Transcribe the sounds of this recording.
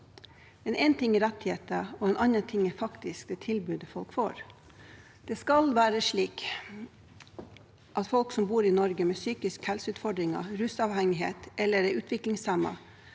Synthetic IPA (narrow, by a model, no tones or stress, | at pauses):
ɛnʔɛːnt̪ʰɪŋːɪɾɛt̪heːt̪əɔɛnʔɑnɑt̪ʰɪŋːəfɑkt̪ɪsk̚d̪ɛt̪ʰɪlbʉːd̪əfɔlkfo̰ːɾ | d̪̥ɛskɑlʋæːɾəʂɭiːk | ʔɑt̪fɔlksɔmbuːɾɪnɔɾɡəmɛːsyːkɪskhɛlsəʉːt̪fɔɖɾɪŋɑ̰ɾʉsɑʋhɛŋɪɦḛːt̪ʔɛlːəɾɛʉːt̪ʰʋɪklɪŋsæmɑ̰